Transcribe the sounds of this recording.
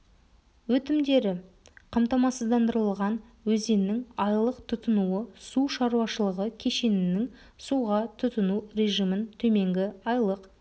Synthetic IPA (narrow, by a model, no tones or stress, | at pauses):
wɵt̪ɪmd̪e̞ɾɪ | qʰɑmt̪ɑmɑsəzd̪ɑnd̪əɾəlˠʁɑn | wɵze̞nːɪŋɑjlˠəqt̪ʰʊt̪ənuəsuʃɑɾuɑʃəlˠəʁəkʲʰe̞ʃe̞nɪnɪŋ | suʁɑt̪ʰʊt̪ənuɾʲe̞ʒijmənt̪ʰɵme̞ŋɡʲɪɑjlˠəq